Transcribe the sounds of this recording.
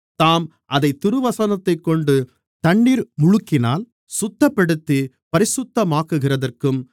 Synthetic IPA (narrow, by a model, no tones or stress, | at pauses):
t̪aːm | ʔɐðɐɪt̪ːɪɾɯʋɐsɐnɐt̪ːɐɪkːɔɳɖɯ | t̪ɐɳːiːɾmʊɻʊkːɪnaːl | sʊt̪ːɐpːɐɽɯt̪ːi | pɐɾɪsʊt̪ːɐmaːkːɯɣɪrɐðɐrkɯm